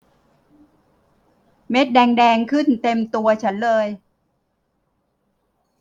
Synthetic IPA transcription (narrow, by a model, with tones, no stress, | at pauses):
me˦˥t̪̚dɛː˧ŋdɛː˧ŋkʰɯ˥˩nt̪e˧mt̪u˧ɐt͡ɕʰa˦˥nlɤː˧j